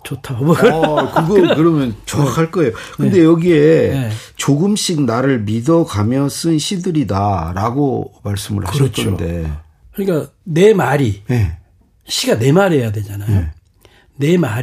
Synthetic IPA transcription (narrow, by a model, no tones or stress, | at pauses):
t͡ɕotʰaoʌkɯɡʌkɯɾʌmjʌnt͡ɕʌkʰaɭk͈ʌe̞jokɯnnde̞jʌɡiee | t͡ɕoɡɯmɕ͈ʰik̚naɾɯɭmidʌɡamjʌs͈ɯnɕʰidɯɾidaɾaɡomaɭs͈ɯmɯ̰ɭhaɯɕʌtt͡ɕ͈ʰʌnde̞ | kɯɲik͈ane̞maɾine | ɕʰiɡane̞maɾejadwe̞d͡ʑanajo | ne̞ma